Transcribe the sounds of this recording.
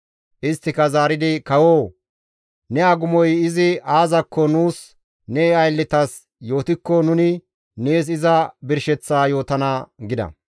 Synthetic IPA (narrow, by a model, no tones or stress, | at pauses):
ʔɪst̪ːɪkɐzaːɾɪd̪ɪkɐwoː | nɛɐɡʊmɔjɪzɪaːzɐkʰːɔnuːs | nɛɐjlːɪt̪ɐs | jo̞ːt̪ɪkːɔnʊnɪ | neːs̬ɪzɐbɪɾʃɛt͡sːaːjo̞ːt̪ɐnaːɡɪd̪ɐ̰